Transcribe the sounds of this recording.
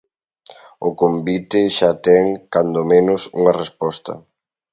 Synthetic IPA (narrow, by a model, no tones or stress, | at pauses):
ʊkombit̪ɪʃat̪ɛŋkand̪omenʊsṵŋɐrespɔst̪ɐ̰